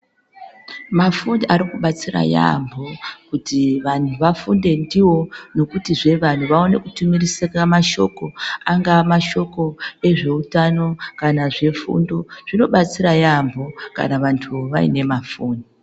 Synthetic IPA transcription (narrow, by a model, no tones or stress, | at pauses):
mafuniʔaɾikuɓat͡sira̰ja̰mbʱo̞kutiʋan̤uʋafunde̞ndiwo̞no̞kutiʐe̞ʋan̤uʋao̞ne̞kutumiriseramaʃo̞ko̞aŋɡamaʃo̞ko̞e̞ʐe̞utano̞kanaʐe̞fṵndo̞ʐ̥ino̞ɓat͡siɾajambʱo̞ka̰naʋantʰuʋaḭne̞mafuːni